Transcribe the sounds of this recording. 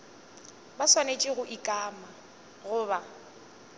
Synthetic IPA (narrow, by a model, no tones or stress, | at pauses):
baswanet͡ʃʼɪɣʊʔikʼaːma | ɣʊːβa